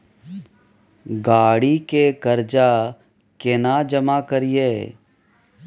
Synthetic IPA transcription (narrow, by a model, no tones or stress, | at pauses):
ɡaːɽikekɐɾd͡ʒa | kenad͡ʒɐmakəɾijeː